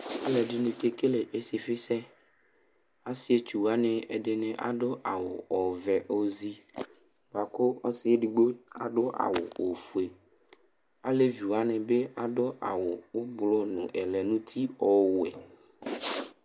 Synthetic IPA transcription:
a˦lɛ˨ɖi˦nũ˨ke˦ke˦le˨ʔe˨si˨fi˦sɛ˦ | a˦si˨e˦t͡ʃu˨wa˦nɛ̃˨ḛ˨ɖe˦nɛ̃˨ʔa̰˨ɖo˦ʔa̰˨wo̰˨ɔ˨vɛ˨ʔo˦zi˦ | ba˨ko˦ɔ˦si˦e˦ɖu˨ɡ͡bo˦a̰˨ɖo˦ʔa̰˨wo̰˨o˨fu˨e˨ | a˦le˦vi˨wa˦nɛ̃˨be˦a˨ɖo˦ʔa̰˨wo˨wo˦ɡ͡blɔ˦nũ˨ʔɛ˨lɛ˨nũ˦t̪ʰi˦ɔ˨wu˨ɛ̰˨

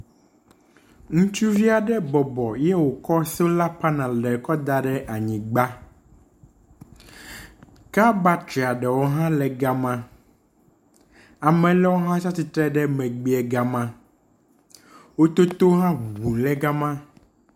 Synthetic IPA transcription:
ŋũ˦t͡ʃu˦vi˦a˨ɖɛ˦bɔ˨bɔ˨jɛ˦wo˨kɔ˦sɛ˦la˦pa˦nã˨lɛ˨kɔ˦d̪a˦ɖɛ˦ʔa˨ɲĩ˨ɡ͡ba˦ | ka˦ba˦t̪ɾi˨a˨ɖɛ˨wo˦ɦã˦lɛ˨ɡa˦mã˦ | a˨mɛ̃˨lɛ˦wo˦ɦã˦t͡ʃa˦t̪i˨t̪ɾɛ˦ɖɛ˦mɛ̃˨ɡ͡bi˦ɛ˨ɡa˨mã˦ | wo˦t̪o˦t̪o˦ɦã˦˨βu˨nlɛ˦ɡa˦mã˦

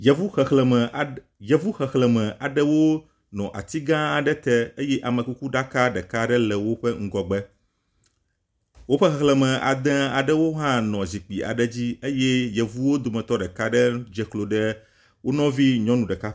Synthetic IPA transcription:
jɛ˨vu˦xɛ˨xlɛ˨mɛ˨ | jɛ˨vu˦xɛ˨xlɛ˨mɛ̃˨ʔa˨ɖɛ˦wo˦ | nɔ̃˨ʔa̰˨t̪i˦ɡã˦a˨ɖɛ˦t̪ɛ˦e˦jɛ˦ʔa˨mə̃˨ku˦ku˦ɖa˦ka˦ɖɛ˨ka˦ɖɛ˦lɛ˨wo˦ɸɛ˦ŋ̩˦ɡɔ˨ɡ͡bɛ˦ | wo˦ɸɛ˦xɛ˦˨xlɛ˨mɛ̃˨ʔa̰˨d̪ɛ̃˦a˨ɖɛ˦wo˦ɦã˦nɔ̃˨zi˨k͡pi˨a̰˨ɖɛ˦d͡ʑi˦e˦jɛ˦jɛ˨vu˦wo˦d̪o˨mɛ̃˨t̪ɔ˦ɖɛ˨ka˦ɖɛ˦d͡ʒɛ˦klo˨ɖɛ˦ | wo˦nɔ̃˦vi˦ɲɔ̃˦nũ˨ɖɛ˨ka˦

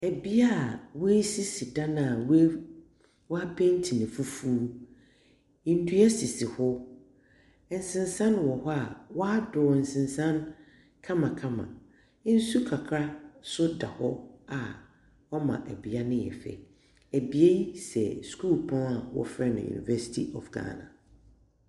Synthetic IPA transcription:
æ˨bi˦a˦˨wsi˦si˨dã˦nã˨w | wa˦pʰɛ̃˦n˦tʰi˨nɪ̃˨fu˦fuː˦ | ĩ˨n̩˦du˦a˦si˨si˨hʊ˦˨ | n̩˨sɪ̃˨n˦sã˦n˦wɔ˨hɔ˦a˨wɔ˦a˦dʊː˨n̩˨sɪ̃˨n˨sã˦n | kʰã˦mã˨kʰã˦mã̰˨˦ | n̩˦su˦kʰa˨kʰɾa˦sʊ˦da̰˨hɔ˦a˨ | wɔ˦mã̰˨ʔæ̰˨bi˨a˦nɪ̃˦jɛ̰˨fɛ̰˨ | æ˨bi˨e˦sɛ̰˨sku˦˨lpʰɔ̃˦na˨wɔ̰˦fɾɛ˦nʊ̰̃˨jṵ˨nḭ˨vɛ˦si̥˦tʰi˦ʔɔ̰˨fɡa̰ː˦nã̰˨

